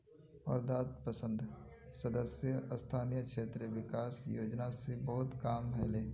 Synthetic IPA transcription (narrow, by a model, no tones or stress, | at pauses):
ɔ̰ːɾd̪aːt̪̚pəsə̃nd̪sɐd̪əsjəst̪ʰaːnijəkʃeːt̪ɾəʋɪkaːsjo̰ːd͡ʒnasebɐɦʊt̪kaːmɦɛleː